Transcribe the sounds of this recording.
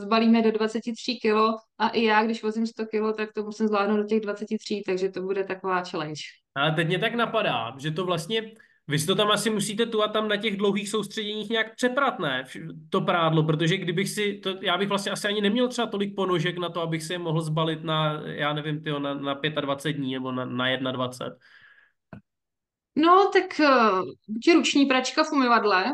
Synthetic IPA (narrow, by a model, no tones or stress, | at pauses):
zbaliːmɛdo̞dvat͡sɛcɪt̪r̝̥iːkɪloʔaʔɪjaːɡdɪʃvozɪmst̪okɪlot̪ak̚t̪omusɪmzlaːdnowdocɛɣdvat͡sɛcɪt̪r̥iːt̪aɡʒɛt̪obudɛt̪akovaːt͡ʃɛlɛnt͡ʃ | ʔalɛt̪ɛcmɲɛt̪aknapada̰ːʒɛt̪o̞vlast̪ɲɛ | vɪsɪ̥t̪o̞t̪amʔasɪmusiːt̪ɛt̪uat̪̚ːamnacɛɣdlowɦiːxsowst̪r̥ɛɟɛɲiːxɲaaːk̚pr̥ɛpɾat̪nɛːft̪o̞pɾaːdlop̬ɾot̪̬oʒɛɡdɪbɪxsɪt̪ojaːbɪxvlast̪ɲɛʔasɪaɲɪnɛmɲɛlt̪r̥ɛbat̪o̞lɪk̚po̞noʒɛknat̪oabɪxsɛjɛmoɦl̩zbalɪt̪najaːnɛvɪmt̪ɪɦonanapjɛt̪advat͡sɛd̪̚dɲiːnɛbo̞nanajɛdnadvat͡sɛ̰t̪̚ | not̪ak | cɛɾut͡ʃɲiːpɾat͡ʃkafumɪvadlɛ